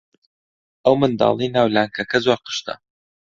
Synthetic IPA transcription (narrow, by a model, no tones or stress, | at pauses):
ʔəwmɨnd̪ɑ̰ːlˠijnaːwlaːŋkʰɐkɐzwaːqɨ̥ʃt̪ɐ̰